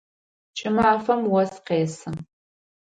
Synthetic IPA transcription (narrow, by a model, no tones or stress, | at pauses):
t͡ʃʼɪmaːfɐmwɐsqeːsɨ